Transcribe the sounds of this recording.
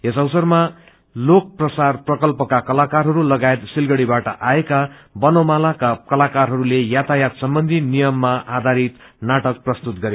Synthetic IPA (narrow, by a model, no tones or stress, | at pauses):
esʌwsʌrma | lok̚prʌsarprʌkʌlpʌkakʌlakarɦʌɾulʌɡaet̪silɡʌɽibaʈʌʔaekabʌnomalakakʌlakarɦʌɾulejat̪ʰajat̪sʌmbʌnd̪ʱinijʌmːaʔad̪ʱaɾit̪ | naʈʌk̚prʌst̪ut̪ɡʌɾe